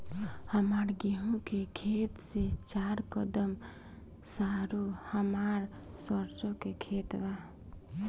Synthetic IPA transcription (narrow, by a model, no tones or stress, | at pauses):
həmaɾɡeɦũkekʰet̪set͡ʃaɾkəd̪əm | saɾuhəmaɾ | səɾt͡ʃõkekʰet̪ba